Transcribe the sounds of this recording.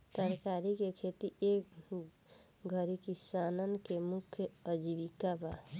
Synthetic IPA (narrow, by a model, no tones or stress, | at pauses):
t̪əɾkaɾikekʰet̪iek | ɡʱəɾikisanənkemukʰjəəd͡ʒibikaba